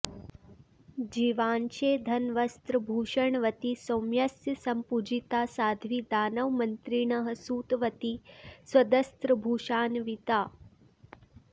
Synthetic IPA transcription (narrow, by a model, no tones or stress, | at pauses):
d͡ʒiʋaːnʃeːd̪ʱɐnʋɐst̪ɾɐbʱuːʃɐɳʋɐt̪isomjɐsjəsɐmpud͡ʒit̪aːsaːd̪ʱʋid̪aːnɐʋmɐnt̪ɾiɳɐɦə̆suːt̪ʋɐt̪iswɐd̪ɐst̪ɾəbʱuːʃaːnʋit̪aː